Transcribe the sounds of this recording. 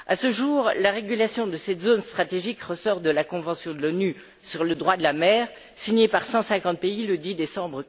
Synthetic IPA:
asəʒuːʁlaʁeɡʲylasjɔ̃d̪əsɛt̪zonst̪χat̪eʒikʁəsɔʁd̪əlakɔ̃vɑ̃sjɔ̃d̪əlɔny | syʁləd̪ʁwad̪əlamɛːʁ | siɲepaʁsɑ̃sɛ̃kɑ̃t̪̚peiləd̪id̪esɑ̃bʁə

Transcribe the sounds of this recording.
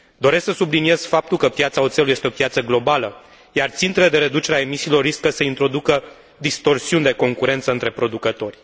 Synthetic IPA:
d̪o̞ɾesksəsublinie̞z̥fap̚t̪ulkəpjat̪saot̪selujest̪eo̞pjat̪səɡlo̞balə | jart̪sint̪ele̞d̪e̞ɾe̞d̪ut͡ʃe̞ɾeae̞misiːlo̞rːiskəsəint̪ɾo̞d̪ukə | d̪ist̪o̞rsiunʲd̪e̞ko̞ŋkuɾe̞nt̪səɨnt̪ɾe̞pɾo̞d̪ukət̪o̞rʲ

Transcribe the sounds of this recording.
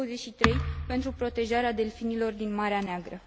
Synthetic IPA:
əzeʃit̪ɾe̞jpe̞nt̪ɾupɾo̞t̪e̞ʒaɾead̪e̞lfinilo̞rd̪inmaɾeaneaɡɾə

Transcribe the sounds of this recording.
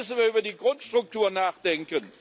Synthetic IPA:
səvəvədikɔnstʁʊk̚tuənaːχdɛŋkən

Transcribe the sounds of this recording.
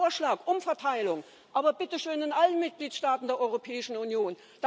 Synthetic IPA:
ɐʃlaːkʔʊmfɛɐtʰaɪlʊŋ | ʔaːbɐbɪtəʃøːnɪnʔalənmɪt̚ɡ̥liːtʃtaːtn̩deːɐɔʏʁopʰɛːɪʃn̩unjoːn | d̥a

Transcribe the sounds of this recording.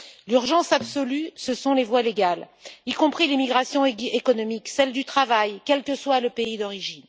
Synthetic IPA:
lyʁʒɑ̃sabsɔlysəsɔ̃levwaleɡal | ikɔ̃pχilemiɡʁasjɔ̃ekɔnɔmiksɛld̪yt̪χavajkʲɛlkəswaləpeid̪ɔʁiʒin

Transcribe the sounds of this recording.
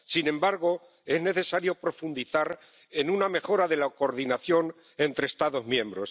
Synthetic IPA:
sinẽ̞mbaɾɣo̞ | e̞zne̞θe̞saɾjo̞pɾo̞fund̪iθaɾ | e̞nuname̞xo̞ɾaðe̞lako̞ɾðinaθjo̞n | e̞nt̪ɾest̪aðo̞zmjẽ̞mbɾo̞s

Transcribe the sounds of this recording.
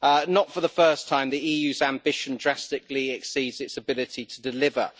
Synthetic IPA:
nətfəðəfɜˑstʰãɪ̃mðiiːjʉːzãmbɪʃə̃ndɹastɪkliɛksiːdzɪtsəbɪlɪtʰitʰədɪlɪvə̰

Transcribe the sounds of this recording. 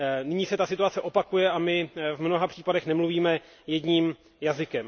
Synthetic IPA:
nɪɲiːsɛt̪asɪt̪uat͡sɛʔo̞pakujɛamɪvmno̞ɦapr̝̥iːpadɛxnɛmluviːmɛ | jɛdɲiːm | jazɪkɛm

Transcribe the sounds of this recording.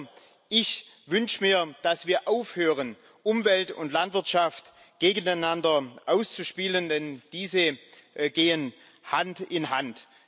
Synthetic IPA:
ʔɪç | vʏnʃəmiːɐd̥asv̥iːɐʔaʊfhøːʁ̞ən | ʔʊmvɛltʊ̰ntlantv̥ɪɐtʃaft | ɡ̥eːɡən̩aɪnandɐʔaʊst͡suʃpiːləndɛnd̥iːzəɡ̥eːən | hantɪnɦant

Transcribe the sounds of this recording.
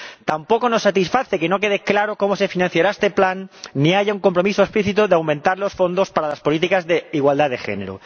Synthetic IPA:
t̪ampo̞ko̞no̞sːat̪isfaθekeno̞k̬e̞ðeklaɾoko̞mose̞finãn̟θjaɾaest̪e̞planːiaʝauŋko̞mpɾo̞misoespliθit̪oðeawmẽnt̪aɾlo̞sfo̞nd̪o̞spaɾalaspo̞lit̪̬ikazðeiɣwald̪aðexe̞̰ne̞ɾo̰

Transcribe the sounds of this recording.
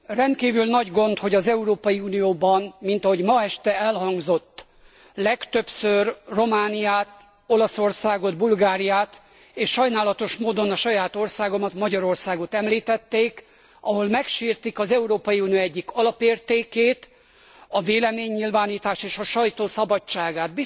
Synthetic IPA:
rɛnt̪̚kiːvylnɒɟɡo̞nt̪ho̞ɟɒzɛuɾoːpɒjiuːnijoːbɒnmint̪ɒɦo̞ɟmɒɛʃt̪ɛɛlɦɒŋɡzo̞t̪ː | lɛkt̪ø̞psørro̞maːnijaːt̪ | o̞lɒso̞rsaːɡo̞d̪bulɡaːɾijaːt̪ | eːʃʃɒjnaːlɒt̪o̞ʃmoːd̪o̞nɒʃɒjaːt̪o̞rsaːɡo̞mɒt̪mɒɟɒɾo̞rsaːɡo̞t̪ɛmliːt̪ɛt̪ːeːk | ɒɦo̞lmɛkʃiːrt̪ikɒzɛuɾoːpɒjiuːnijoɛɟːikɒlɒpeːrt̪eːkeːt̪ | ɒveːlɛmeːɲːilvaːniːt̪aːʃeːʃɒʃɒjt̪oːsɒbɒt͡ʃːaːɡaːt̪̚bi

